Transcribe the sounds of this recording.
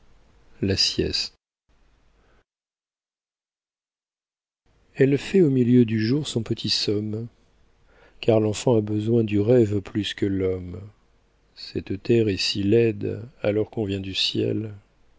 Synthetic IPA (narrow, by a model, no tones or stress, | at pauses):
lasjɛ̰st̪ | ɛlfɛomiljød̪yʒuʁsɔ̃pət̪ʰisɔm | kaʁlɑ̃fɑ̃abəzwɛ̃d̪yʁɛvplyskəlɔm | sɛt̪t̪ɛʁɛsilɛd̪a̰lɔʁkɔ̃vjɛ̃d̪ysjɛ̰l